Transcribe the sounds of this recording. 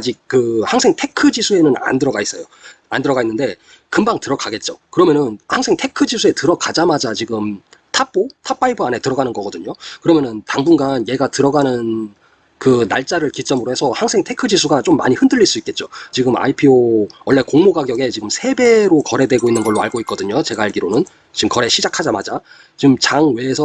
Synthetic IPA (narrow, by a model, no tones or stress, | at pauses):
ad͡ʑik̚k͈ːɯhaŋsʰe̞ŋtʰe̞kʰɯd͡ʑisʰue̞nɯna̰ndɯɾʌɡais͈ʌjo | andɯɾʌɡainːɯnde̞ | kɯmbaŋtɯɾʌk͈ʰaɡe̞t̚t͡ɕ͈okɯɾʌmjʌnɯnhaŋsʰe̞ŋtʰe̞kʰɯd͡ʑisʰue̞tɯɾʌkad͡ʑamad͡ʑat͡ɕiɡɯm | tʰap̚p͈otʰap͈aibʰɯane̞tɯɾʌɡanɯnɡʌɡʌdɯɲokɯɾʌmjʌnɯntaŋbunɡanje̞ɡatɯɾʌɡanɯn | kɯna̰ɭt͡ɕ͈aɾɯɭkit͡ɕ͈ʌmɯɾohe̞sʰʌhaŋsʰe̞ŋtʰe̞kʰɯd͡ʑisʰuɡat͡ɕ͈omːa̰ɲihɯndɯʎːiɭs͈uik͈e̞t̚t͡ɕ͈ot͡ɕiɡɯma̰ipʰiowʌɭːe̞koŋmoɡaɡjʌɡe̞t͡ɕiɡɯmsʰe̞be̞ɾokʌɾe̞dwe̞ɡoinːɯnɡʌɭːoa̰ɭɡoit̚k͈ʌdɯɲot͡ɕe̞ɡaaɭɡiɾonɯn | t͡ɕiɯmkʌɾeɕʰid͡ʑakʰad͡ʑama̰d͡ʑa | t͡ɕimt͡ɕaŋwe̞ːsʰʌ